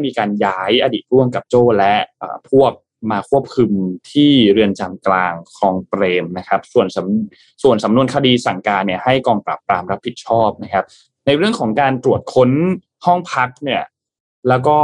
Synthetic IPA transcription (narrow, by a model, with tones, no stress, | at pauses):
miː˧kaː˧njaː˦˥jʔaː˧diː˨˩t̪̚ɾu˥˩əmka˨˩p̚t͡ɕoː˥˩lɛ˦˥ʔʔɤ̰ː˨˩pʰu˥˩əp̚ | maː˧kʰu˥˩əp̚kʰɯ˧mt̪ʰiː˥˩ɾɯ˧ənt͡ɕaː˧mklaː˧ŋkʰɔː˧ŋpɾeː˧mna˦˥kʰa˦˥p̚su˨˩ənsa˩˦m | su˨˩ənsa˩˦mnu˧ənkʰa˧diː˧sa˨˩ŋkaː˧nːi˥˩ɐha˥˩jkɔː˧ŋpɾa̰˨˩pːɾaː˧mɾa˦˥pʰːi˨˩t̪̚t͡ɕʰɔː˥˩p̚na˦˥kʰa˦˥p̚ | na˧jɾɯ˥˩əŋkʰɔː˩˦ŋkaː˧nt̪ɾu˨˩ət̪̚kʰo˦˥n | hɔ˥˩ŋpʰa˦˥k̚ni˥˩ɐ | lɛː˦˥wkɔː˥˩